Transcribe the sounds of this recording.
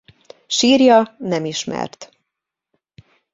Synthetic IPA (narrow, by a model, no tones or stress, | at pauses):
ʃiːrjɒnɛmiʃmɛ̰rt̪